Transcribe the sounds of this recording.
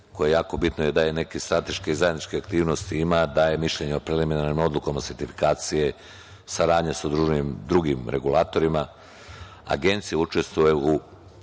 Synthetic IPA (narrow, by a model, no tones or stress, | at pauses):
kojeejaːko̞bit̪noje̞d̪ajene̞kest̪ɾat̪e̞ʃkeizajed̪nit͡ʃkeakt̪iːʋno̞st̪iimad̪aje̞miʃʎe̞ɲeo̞pɾeliminaɾnimo̞d̪lukomase̞ɾt̪ifi̥kaːt̪sije̞ | saɾaːd̪ɲasad̪ɾuʒenimd̪ɾuɡimɾe̞ɡulˠaːt̪o̞ɾima | a̰ɡe̞nt̪sijeut͡ʃe̞st̪ʋujeu